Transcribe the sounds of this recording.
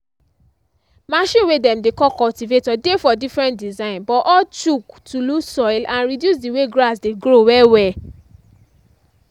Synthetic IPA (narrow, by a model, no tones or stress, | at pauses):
maʃĩwedɛm̩dekɔkɔltivetɔdefɔdifɾɛ̃ntdizãĩnbɔʔɔt͡ʃuktulusɔilãnɾidjus̬diweɡɾasdeɡɾowɛwɛ